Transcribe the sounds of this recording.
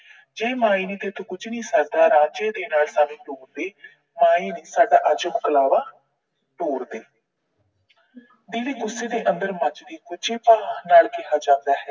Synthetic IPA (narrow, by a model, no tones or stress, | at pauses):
d͡ʒeːmaːiːnẽːt̪eːt̪ʰːõːkʊt͡ʃʰniːsaːk̚d̪aːɾãːd͡ʒeːd̪eːnaːlsaːʋĩːʈoːɾd̪eː | maːiːneːsaːɖaːʔəd͡ʒʊkɡəlaːʋaː | ʈoːɾd̪eː | d̪iːʋiːɡʊseːd̪eːʔənd̪əɾmət͡ʃd̪iːkʊt͡ʃʰeːpaːnaːlkɪɦaːd͡ʒãːnd̪aːɦɛː